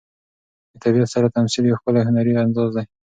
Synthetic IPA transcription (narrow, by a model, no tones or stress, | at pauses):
d̪ət̪abijɑt̪saɾat̪amsiljawxpəlahʊnaɾiand̪ɑzd̪aj